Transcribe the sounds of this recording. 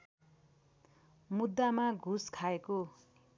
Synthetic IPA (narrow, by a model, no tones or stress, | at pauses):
mud̪ːamaɡʱuskʰaeko